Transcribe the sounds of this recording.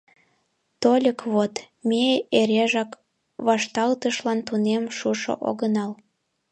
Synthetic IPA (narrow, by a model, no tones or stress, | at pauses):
t̪olʲəkβot̪ | meeɾeʒɑk | βɑʃt̪ɑlt̪əʃlɑnt̪unemʃuʃo̰ʔo̰ɣənɑl